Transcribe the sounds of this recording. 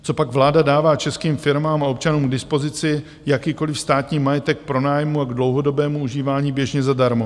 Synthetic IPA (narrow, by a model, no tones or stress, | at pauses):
t͡so̞paɡvlaːdadaːvaːt͡ʃɛskiːmfɪɾmaːmao̞pt͡ʃanuːmɡdɪspo̞zɪt͡sɪ | jakiːko̞lɪfst̪aːt̪ɲiːmajɛt̪ɛk̚pɾo̞naːjmuaɡdlo̞wɦo̞do̞bɛːmuuʒiːvaːɲiːbjɛʒɲɛzadaɾmo